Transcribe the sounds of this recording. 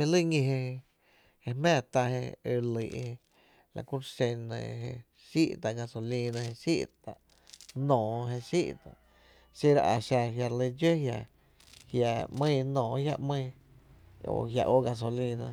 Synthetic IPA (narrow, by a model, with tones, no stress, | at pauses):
ĩ˧lɨ˦ɲĩ˧ɦẽ˧ | e˧mɛ̃ː˦˧˨t̪a˧hḛ̃˧e˧li˨ʔhe˧ | la̰˨ku˦ɾsẽ˧nə̰̃˧˨ɦẽ˧ | ʃi˦ʔt̪a˨ɡa˧so˨li˧nã˧he˧ʃḭ˦ʔt̪a˨ʔ | nɔ̃ː˨ɦe˧ʃi˦ʔt̪a˨ | si˦ɾo̰˧ʔa˨ʃa˧ɦja˧ɾli˧d͡ʒe˦hja˧ | hja˧ʔmɨ̃ː˦˧nɔ̃ː˨˦hja̰˧ʔmɨ̃˦˧ | o̰˨hja̰˧ʔo˦ɡa˧s̬o˧lĩ˧nã˧